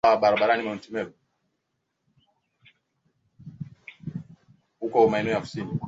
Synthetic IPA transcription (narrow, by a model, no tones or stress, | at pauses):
aɓaɾaɓaɾanimauntimɛbu | hukɔmaɛnuafi̥sini